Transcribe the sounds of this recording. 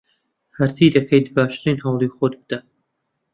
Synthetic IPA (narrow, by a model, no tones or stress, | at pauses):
hɐɾsiːd̪ɐkʰɐjt̪baːʃɾiːnhɐwlˠiːxod̪̚bɨd̪̥ɐ